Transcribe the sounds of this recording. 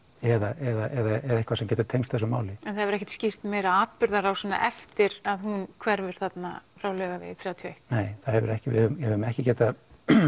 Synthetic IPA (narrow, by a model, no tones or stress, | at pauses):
ɛðaʔɛðaɛðaɛðaɪhkʰvaɾsɛmcɛːt̪ʏɾ̥t̪ʰejmst̪θɛs̬ɔmaːwlɪɛnθaðhɛvʏɾɛhçcɛt̪scɪr̥t̪meːjɾaaːt̪̚pʏɾðaɾawsɛnːa̰ʔɛft̪ɪɾaðhunkʰvɛɾvɪɾ̥θat̪na̰fɾawlœɣavɪ̰θɾjawðat̪ʰjejht̪neːjθaðhɛvʏɾɛhcɪvɪ̰hʏmhɛvʏmɛhcɪcɛːt̪a